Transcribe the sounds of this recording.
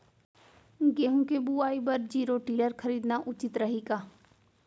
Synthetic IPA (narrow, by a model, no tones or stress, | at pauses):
ɡeːɦũkebuaːibɐɾd͡ʒiːɾoʈiːləɾxəɾiːd̪naʔʊt͡ʃɪt̪ɾɐɦiɡaː